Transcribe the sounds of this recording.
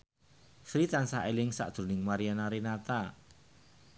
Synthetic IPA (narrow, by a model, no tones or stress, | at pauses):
fɾit̪ansaʔelɪŋsa̰ʔd̪̥ɾṳnɪŋmaɾianaɾenat̪a